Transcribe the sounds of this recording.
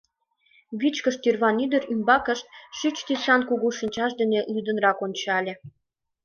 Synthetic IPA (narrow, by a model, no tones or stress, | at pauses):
βit͡ɕkəʃt̪yrβɑnyd̪əɾymbɑkə̆ʃt̪̚ʃyt͡ɕt̪isɑnkuɣuʃənʲt͡ɕɑʃd̪ə̆nelyd̪ənrɑkonʲt͡ɕɑlʲĕ